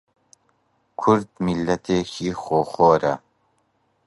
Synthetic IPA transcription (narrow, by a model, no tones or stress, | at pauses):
kʰuɾd̪milːɐt̪ʰeːkʰiːχoːχoːɾɐ